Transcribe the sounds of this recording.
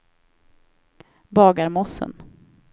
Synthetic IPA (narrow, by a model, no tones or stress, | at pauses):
bɑːɡaɾmɔsə̰n